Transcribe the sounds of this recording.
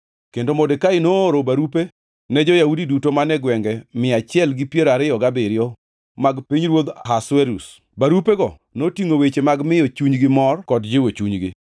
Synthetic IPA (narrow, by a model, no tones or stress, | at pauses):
kendomodekaɪnoːɾobaɾupe | nɛd͡ʒɔjaudidutomanɛɡwɛŋɡɛmɪat͡ʃɪɛlɡɪpjeɾaɾɪɔɡabɪɾɪjɔ | maɡpiɲɾwod̪ɦaswɛɾṵs | baɾupeɡɔ | notiŋowet͡ʃemaɡmɪjot͡ʃuɲɡɪmɔrkɔdd͡ʒɪwot͡ʃuɲɡɪ̰